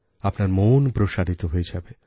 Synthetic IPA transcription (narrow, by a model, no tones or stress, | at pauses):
apnaɾmonpɾoʃaɾit̪oɦoed͡ʑabe